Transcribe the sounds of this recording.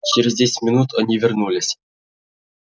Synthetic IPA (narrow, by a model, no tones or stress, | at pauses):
t͡ɕɪɾʲɪzʲdʲesʲmʲinut̪ʰɤ̆nʲivʲɪrnulʲɪsʲ